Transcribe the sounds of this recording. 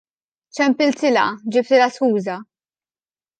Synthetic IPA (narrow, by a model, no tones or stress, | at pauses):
t͡ʃɛmpɪlt̪ɪlɐ̰d͡ʒɪpt̪ɪlɐskuːzɐ